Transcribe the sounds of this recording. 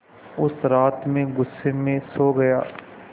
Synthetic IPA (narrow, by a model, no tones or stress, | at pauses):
ʊsɾaːt̪mẽɡʊsːemẽsoːɡɐjaː